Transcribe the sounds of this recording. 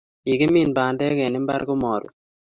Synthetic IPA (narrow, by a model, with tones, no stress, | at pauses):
i˨ɡe˦mi˦˨nba˨ndɛ˦ke˨nɪ˦mba̰˦ɾɡo˦mɔ˨ɾṵ˨